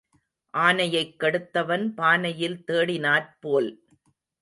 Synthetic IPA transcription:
ʔaːnɐjɐɪkːɐɽɯt̪ːɐʋɐnpaːnɐjɪlt̪eːɽɪnaːɾpoːl

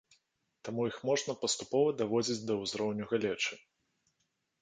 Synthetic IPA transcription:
t̪amujixmɔʐnɐpɐst̪upɔvɐd̪avɔd͡zʲid͡zʲd̪ɐwzɾɔwnʲuɣalʲɛt͡ʂɨ

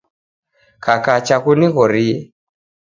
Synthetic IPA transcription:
kakat͡ʃakuniɣɔɾiɛ

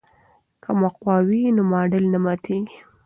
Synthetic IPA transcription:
kʰamaqwɑwinʊmɑɖəlnamɑt̪ʰeɡi̥

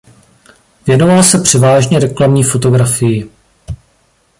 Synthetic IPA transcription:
vjɛno̞valsɛpr̥ɛvaːʒɲɛɾɛklamɲiːfo̞t̪o̞ɡɾafɪjɪ

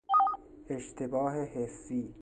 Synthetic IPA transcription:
eʃt̪ʰebɒːɦehesːiː

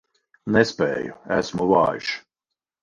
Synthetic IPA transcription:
nɛspɛ̰ːjṵæsmulɑ̰ːjʃ

